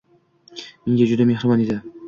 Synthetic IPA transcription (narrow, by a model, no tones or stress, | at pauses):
mɪŋɡʲad͡ʒʊd̪amehɾɪbɒned̪ɪ